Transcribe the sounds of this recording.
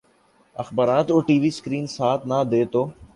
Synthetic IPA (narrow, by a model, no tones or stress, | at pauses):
əxbaːɾaːt̪oːʈiːʋiːskɾiːnsaːt̪ʰnaːd̪eːt̪oː